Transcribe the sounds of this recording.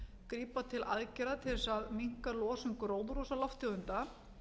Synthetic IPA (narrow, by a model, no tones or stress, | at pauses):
kɾiːpat̪ʰɪlʔaðcɛɾat̪ʰɛsaðmiŋ̥kalɔːsuŋkʏɾoːwðɾusalɔft̪jɔðʏnt̪a